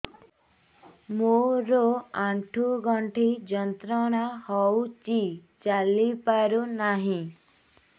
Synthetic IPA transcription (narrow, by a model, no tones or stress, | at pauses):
moɾoaʈʰuɡɔɳʈʰid͡ʒɔnt̪ɾɔɽ̃ahɔwt͡ʃi | t͡ʃalipaɾunaɦĩ